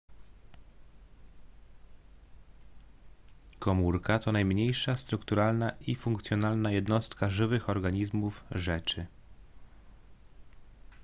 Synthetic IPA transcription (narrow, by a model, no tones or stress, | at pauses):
kɔmuɾkat̪ɔnajmɲejʂast̪ɾukt̪uɾalnaʔifuŋk̚t̪sʲjɔnalnajɛd̪nɔst̪kaʐɘvɘxɔɾɡaɲizmufʐɛt͡ʂɘ